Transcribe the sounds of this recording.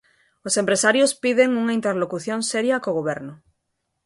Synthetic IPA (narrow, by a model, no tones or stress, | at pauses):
osẽmpɾesaɾjospiðeŋuŋaint̪eɾlokuθjõŋsɛɾjɐkoɣoβɛɾnʊ